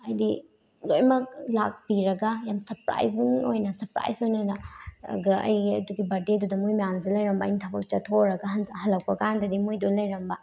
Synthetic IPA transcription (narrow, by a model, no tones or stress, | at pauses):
ɐjdi | lojmɐk̚lak̚biɾɐɡajamsɐɾpɾa̰jznojnɐsɐɾpɾa̰jzojnɐnɐ̰ɡɐɐ̰jɡiɐduɡibɐɾdedudɐmujmajamzelɐjɾɐmbɐːjnitʰɐbɐk̚t͡ʃɐtʰoɾɐɡaɦɐnhɐlɐk̚pɐkandɐdimujdulɐjɾɐmbɐ